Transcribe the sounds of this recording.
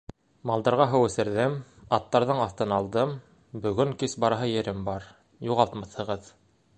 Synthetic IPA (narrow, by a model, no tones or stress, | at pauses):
mɑlˠd̪ɑɾʁɑɦɤwɘ̆sɘ̆ɾðɘmɑt̪ːɑɾðɤɴɑθt̪ɤnɑlˠd̪ɤm | bɵ̆ɡɵŋkisbɑɾɑɦɤjɘ̆ɾɘmbɑɾ | juʁɑlˠt̪mɑθhɤ̆ʁɤð